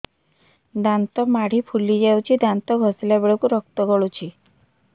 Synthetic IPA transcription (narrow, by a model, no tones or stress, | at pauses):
d̪ant̪ɔmaɽ̤ipʰulid͡ʒawt͡ʃʰid̪ant̪ɔɡʱɔsilabeɭɔkuɾɔkt̪ɔɡɔɭut͡ʃʰi